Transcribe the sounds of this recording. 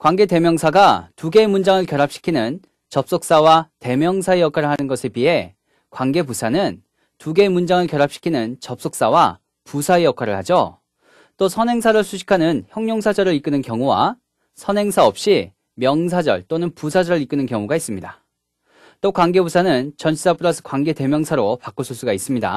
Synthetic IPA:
kwaŋɡe̞te̞mjʌŋsʰaɡatuɡe̞mund͡ʑaŋɯɭkjʌɾap̚ɕ͈i̥kʰinɯn | t͡ɕʌp̚s͈ok̚s͈awate̞mjʌŋsʰaejʌkʰwaɾɯɭɦanɯnɡʌsʰepiɦe̞ | kwaŋɡe̞pusʰanɯn | tuɡe̞mund͡ʑaŋɯɭkjʌɾap̚ɕ͈i̥kʰinɯnt͡ɕʌp̚s͈ok̚s͈awa | pusʰaejʌkʰwaɾɯɭhad͡ʑo | t͈osʰʌnɦe̞ŋsʰaɾɯɭsʰuɕʰi̥kʰanɯnçjʌŋɲoŋsʰad͡ʑʌɾɯɭik͈ɯnɯnkjʌŋuwa̰ | sʰʌnɦe̞ŋsʰaʌp̚ɕ͈i | mjʌŋsʰad͡ʑʌ̰ɭt͈onɯnpusʰad͡ʑʌɾɯɾik͈ɯnɯnkjʌŋuɡais͈ɯmɲida | t͈okwaŋɡe̞busʰanɯnt͡ɕʌnt͡ɕʰis͈ʰap͈ʰɯɾasʰɯ̥kwaŋɡe̞te̞mjʌŋsʰaɾopak͈osʰuɭs͈uɡais͈ɯmɲida̰

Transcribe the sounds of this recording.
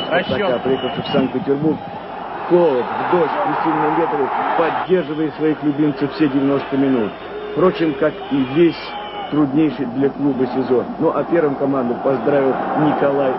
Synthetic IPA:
pɐkapɾʲɪjexəlˠʂəfsank̪̚pʲɪtʲɪrburk | kolˠət̪vd̪oɕpɾʲɪsʲivnɨjmʲet̪ɾʲɪpɐdʲːe̞rʐɨvəjɪsvɐixlʲʊbʲimt̪sɨfsʲedʲɪvʲɪno̞st̪əmʲɪnut̪ | fpɾo̞t͡ɕɪmkakivʲesʲ | t̪ɾʊd̪nʲejʂɨjd̪lʲɐklˠubəsʲɪzo̞nnoʔɐpʲe̞rvəmkɐmand̪əpɐzd̪ɾavʲɪlˠnʲɪkɐlˠaj

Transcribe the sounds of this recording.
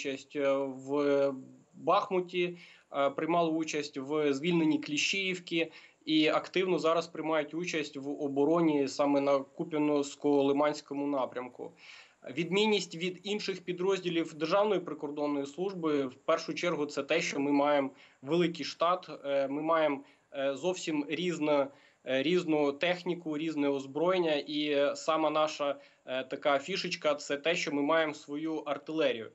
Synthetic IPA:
t͡ʃɐsʲtʲw | bɑxmʊtʲi | pɾɪjmɑlˠɐut͡ʃɐsʲtʲʋzʋʲilʲnenʲiklʲiʃɪjiwkʲi | iɐkt̪ɪwnɔzɑɾɐspɾɪjmɑjʊtʲut͡ʃɐsʲtʲʋɔbɔɾɔnʲisɑmɛnɐkupʲɐnɔskɔɔlˠɪmɑnʲsʲkɔmʊnɑpɾʲɐmkʊ̰ | ʋʲid̪mʲinʲːisʲtʲʋʲid̪inʃɪxpʲid̪ɾɔzʲdʲilʲiwd̪erʒɑwnɔjipɾɪkɔrd̪ɔnːɔjislˠuʒbɪwpɛrʃʊt͡ʃɛrɦʊt̪sɛt̪ɛʃt͡ʃɔmɪmɑjemʋelˠɪkɪjʃt̪ɑt̪mɪmɑjem | zɔwsʲimɾʲiznɐ | ɾʲiznʊt̪ɛxnʲikʊɾʲiznɛɔzbɾɔjenʲːɐʔisɑmɐnɑʃɐ | t̪ɐkɑfʲiʃɪt͡ʃkɐt̪sɛt̪ɛʃt͡ʃɔmɪmɑjemsʋɔjuʔɐrt̪ɪlˠɛɾʲijʊ̰

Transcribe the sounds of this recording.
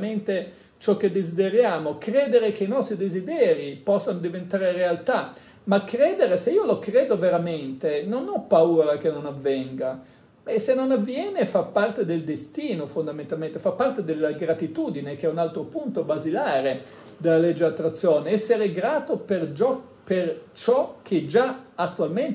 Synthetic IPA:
ment̪e | t͡ʃɔk̟ːed̪ːezid̪eɾjaːmokɾeːd̪eɾek̟einɔst̪ɾid̪ezid̪ɛːɾipɔsːanod̪ivent̪aːɾerealt̪a | makːɾɛːd̪eɾeseiːolokɾeːd̪oveɾament̪enonɔpːauːɾak̟enːonavːɛŋɡa | ɛsenːonavːjɛːnefapːart̪ed̪eld̪est̪iːnofond̪amẽnt̪alment̪efapːart̪ed̪elːaɡɾat̪it̪uːd̪inek̟ɛunalt̪ɾopunt̪obazilaːɾe | d̪elːalɛd͡ʒːeat̪ːɾat̪sːjoːneɛsːeɾeɡɾaːt̪operd͡ʒɔ | pert͡ʃɔk̟ʰːed͡ʒaat̪ːualment̪

